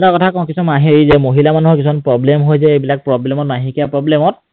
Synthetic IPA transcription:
lakɔtʰakɔkisɔmaɦeɹizɛmoɦilamanuɦɔkisʰɔnpɹɔblɛmɦojsɛejbilak̚pɹɔblɛmɔt̚maɦĩkijapɹɔblɛmɔt̚

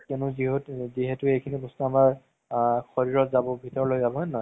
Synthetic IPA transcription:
kenʊziɦotziɦetʊejkʰinibɔstuamaɹ | xɔɹiɹɔtzabɔbʱitɔɹɔlojzabɔɦɔnnɔ

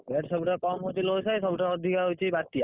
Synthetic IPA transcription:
bɛʈsɔbuʈakɔmɦojtilojsajsɔbuʈaɔd̪ʱikaojt͡ʃʰibat̪ːija

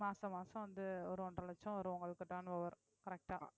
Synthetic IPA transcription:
maːsɐ̃maːsɐ̃ʋɐnd̪ɯɔɾɯɔɳɖɾɐɭɐt͡ʃːɐ̃ʋɐɾɯɔ̃ŋɡɐɭɯkːɐʈːaːnɯʋɐʋɐɾ | kɐɾɛk̚ʈaː

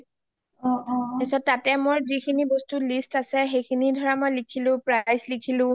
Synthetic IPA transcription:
ɔɔɛsɔttːatɛmojzikʰinibɔstulistasɛxejkʰinidʱɔɹamɔjlikʰilʊ̃pɹajslikʰilʊ̃

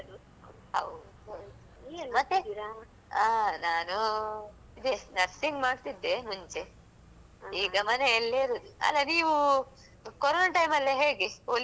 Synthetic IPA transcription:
d̪u | ɦɐ̰wd̪ | ɐ | mɐt̪ːe | aːnaːnu | id̪enɐɾsiŋɡmaːɖt̪id̪ːemuɲt͡ʃe | iːɡɐmɐneɛlːeɾoːd̪uɐ̰lːɐniːʋu | kɔɾoːnaʈɐjmɐlːɐɦe̞ːɡiol

